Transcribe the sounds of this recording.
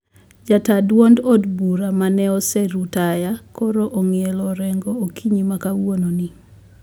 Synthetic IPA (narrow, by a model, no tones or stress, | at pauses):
d͡ʒatadwondɔdbuɾamanɛɔsɛɾutajakɔɾoʔoŋjelɔɾɛŋɡookʰiɲimakawononi